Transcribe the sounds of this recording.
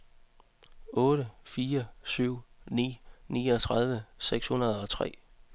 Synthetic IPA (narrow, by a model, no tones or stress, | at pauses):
ɔ̽ːɾəfiːɐsyʊ̰nḭːniːɒt͡sʰʁɑð̞ˠʋəseɡ̥shunɐð̞̩ˠɒ̽t͡sʰʁɛ̰ː